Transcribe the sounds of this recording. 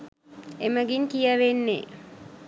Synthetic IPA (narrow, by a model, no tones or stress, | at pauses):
eməɡinkijəʋenːḛ